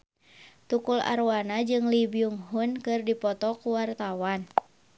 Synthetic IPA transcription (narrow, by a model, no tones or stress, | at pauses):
t̪ukula̰ɾwanad͡ʒɨŋlibiuŋɦunkɨrdipɔt̪ɔkuwart̪awan